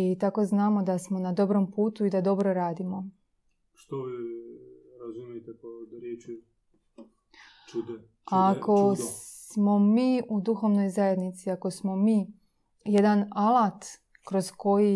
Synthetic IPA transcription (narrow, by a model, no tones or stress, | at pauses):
it̪ako̞znaːmo̞d̪asmo̞nad̪o̞bɾo̞mpuːt̪uid̪ad̪o̞bɾo̞ɾaːd̪imo̞ | ʃt̪oʋi | ɾazumjet̪ekoɾjet͡ʃi | t͡ʃud̪e | ako̞s | mo̞miːud̪uxo̞ʋno̞jzajed̪nit̪siako̞smo̞miː | jed̪analˠat̪ | kɾo̞zko̞ji